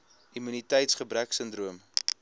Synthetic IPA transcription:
imynitəjtsχəbræksəndruəm

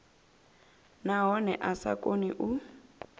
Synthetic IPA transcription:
naɦɔnɛʔasa̰kʼoniʔu

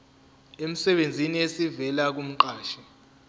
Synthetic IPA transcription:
em̩sɛɓend͡zʱiniesivɛlak̬um̩ǃaːʃɛ

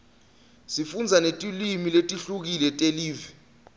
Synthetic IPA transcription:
sifund͡zʱanetʼilimiletʼiɬuk̬ilɛtʼeliːvi

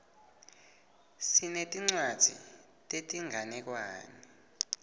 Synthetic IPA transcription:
sinetʼiŋ͡ǀwad̥ʱḭ | tʼetʼiŋanɛk̬waːni

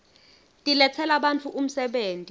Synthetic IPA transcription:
tʼilɛt͡sʰɛlaɓant͡fʰuʔum̩sɛɓeːntʼi

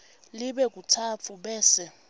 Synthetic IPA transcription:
liɓɛk̬ʼutʰat͡fʰuɓɛːsɛ

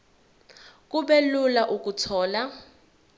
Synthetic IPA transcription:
k̬ʼuɓɛlulaʔuk̬ʼutʰɔːla

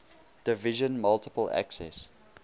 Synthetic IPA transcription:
d̥ɪvɪʒə̃nmʌlˠtɪ̥pəlæ̰ksɛ̰s

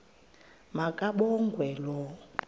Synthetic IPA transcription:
makʼaɓɔŋɡʱwɛlɔ

